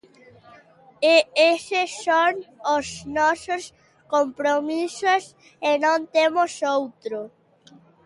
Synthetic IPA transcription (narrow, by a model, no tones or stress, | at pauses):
eesesoŋosnɔsʊs | kompɾomisos | enõnt̪emosowt̪ɾo